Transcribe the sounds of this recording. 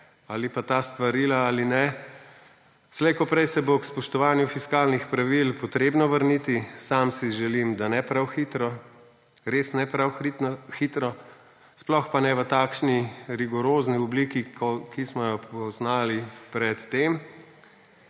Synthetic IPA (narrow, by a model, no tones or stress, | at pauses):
alipat̪ast̪ʋaɾiːlaalinɛ | slɛjkɔpɾɛjsɛbokspɔʃt̪ɔʋaːnjufiskaːlnixpɾaʋilpɔt̪ɾeːbnɔʋəɾnit̪isamsiʒɛlimd̪anɛpɾawxit̪ɾɔ | ɾeːsnɛpɾawxixit̪ɾɔ | splɔxpanɛʋət̪aːkʃniɾiɡɔɾoːzniɔbliːkikismɔjɔpɔznaːlipɾɛt̪ːem